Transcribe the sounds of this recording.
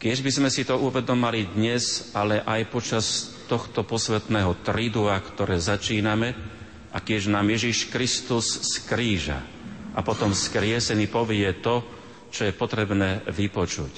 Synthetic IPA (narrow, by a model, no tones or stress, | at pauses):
kɪɛʒbizmɛsit̪ɔuʋɛd̪ɔmalid̪ɲɛzalɛʔajpɔt͡ʃast̪ɔxt̪ɔpɔsʋɛt̪nɛːɦɔt̪ɾid̪uakt̪ɔɾɛːzat͡ʃiːnamɛ | ʔakɪɛʒnaːmjɛʒiʃkɾist̪usːkɾiːʒa̰ | ʔapɔt̪ɔmskɾɪɛsɛnipɔʋɪɛt̪ɔ | t͡ʃɔjɛpɔt̪ɾɛbnɛːʋipɔt͡ʃṵc